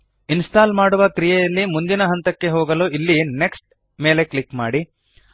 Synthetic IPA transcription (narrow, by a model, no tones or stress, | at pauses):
insʈaːlmaːɽuʋɐkɾijɛjɐlːimund̪inɐɦɐnt̪ɐkːe̞ɦoːɡɐloːʔilːine̞ksʈ̚ | me̞ːle̞klikma̰ːɽi